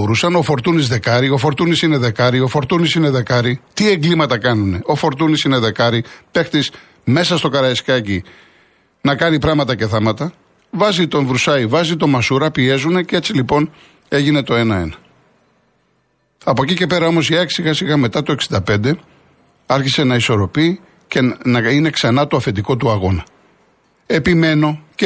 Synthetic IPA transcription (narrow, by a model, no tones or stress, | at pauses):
oɾusɐno̞fo̞ɾt̪unizðe̞kɐɾio̞fo̞ɾt̪unisine̞ðe̞kɐɾio̞fo̞ɾt̪unisine̞ðe̞kɐɾit̪ie̞ŋɡlimɐt̪ɐkɐnune̞ʔo̞fo̞ɾt̪unisine̞ðe̞kɐɾipe̞xt̪is | me̞sɐst̪o̞kɐɾɐiskɐci | nɐkɐnipɾɐmɐt̪ɐceθɐmɐt̪ɐ | vɐzit̪o̞ɱvɾusɐivɐzit̪o̞mɐsuɾɐpie̞zune̞cee̞t͡silipo̞n | e̞ʝine̞t̪o̞e̞nɐe̞̰nɐ | ɐpo̞cice̞pe̞ɾɐo̞mo̞siɐksiɣɐsiɣɐme̞t̪ɐt̪o̞e̞ksind̪ɐpe̞nd̪e̞ | ɐɾçise̞nɐiso̞ɾo̞pi | cenɐine̞ksɐnɐt̪oɐfend̪iko̞t̪uɐɣo̞nɐ | e̞pime̞no̞ce